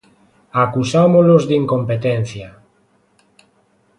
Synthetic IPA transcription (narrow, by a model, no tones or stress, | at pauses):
akusamolozðiŋkompet̪en̟θja